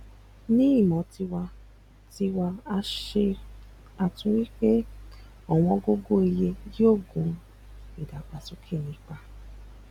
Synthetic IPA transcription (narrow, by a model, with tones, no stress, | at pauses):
nĩ˦i˦˨mɔ̃˨˦ti˧wa˧ | ti˧wa˧a˧ʃe˧ | a˨tũ˧˦wi˦k͡pe˦ | ɔ˨w̃ɔ̃˧ɡo˦ɡo˦e˧je˧ji˦o˦˨ɡũ˨˦ | i˨da˨k͡pa˨su˨˦kʰe˦˨nĩ˨˦k͡pa˧